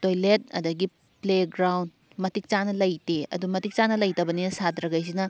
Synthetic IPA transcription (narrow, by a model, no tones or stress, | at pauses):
tojlet̚ɐ̰dɐɡi | pleɡɾawn | mɐtik̚t͡ʃanɐlɐjteɐ̰dumɐtik̚t͡ʃanɐlɐjtɐbɐninɐsadɾɐɡajs̬inɐ